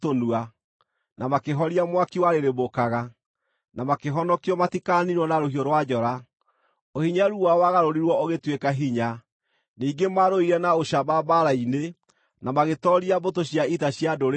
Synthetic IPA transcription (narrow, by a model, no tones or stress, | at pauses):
tonua | namakeɦɔɾiamwakiwaɾeɾebokaɣa | namakeɦɔnɔkiɔmatikaniɾwɔnaɾoɦiɔɾwad͡ʑɔɾa | ohiɲaɾuwawaɣaɾoɾiɾwɔoɣetwekaɦiɲa | niːŋɡemaɾoiɾɛnaoɕamaːbaɾaine | namaɣetɔɾiabotoɕijaitaɕjadoɾ